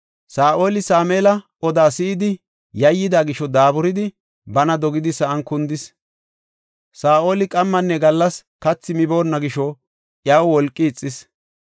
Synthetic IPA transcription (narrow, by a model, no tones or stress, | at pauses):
saːʔo̞ːlɪsaːmeːlɐ | ɔd̪aːsɪːd̪ɪ | jɐjːɪd̪aːɡɪʃɔd̪aːbʊɾɪd̪ɪ | bɐnɐd̪ɔɡɪd̪ɪsɐʔɐnkʊnd̪ɪs | saːʔo̞ːlɪkʼɐmːɐnːɛɡɐlːɐs | kɐt͡sːɪmɪbo̞ːnːɐɡɪʃɔ | ʔjɐwwɔlkʼːɪːt͡sʼːɪs